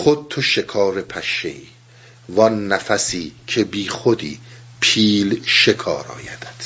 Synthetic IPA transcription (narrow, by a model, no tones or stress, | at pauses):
xod̪̚t̪ʰoʃe̞kʰɒːɾepʰæʃḛiː | vɒnːæfæsiːcʰe̞biːxod̪ḭː | pʰiːlʃekʰɒ̰ːɾɒ̰ːjæd̪̥æ̥d̪̥